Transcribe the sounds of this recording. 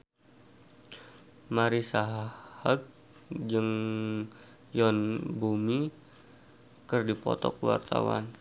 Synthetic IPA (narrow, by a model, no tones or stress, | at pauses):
maɾisaɦhak̚ | d͡ʒəŋ | jɔnbumi | kɨrdipɔ̰t̪ɔ̰kwa̰rt̪a̰wa̰n